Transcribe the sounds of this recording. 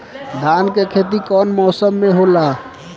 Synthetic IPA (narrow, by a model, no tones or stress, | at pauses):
d̪ankekʰet̪̬ikɔnmɔsəmːeɦola